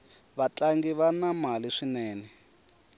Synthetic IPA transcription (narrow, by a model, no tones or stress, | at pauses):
βat͡ɬʼaŋɡiβanamaliʂinɛːnɛ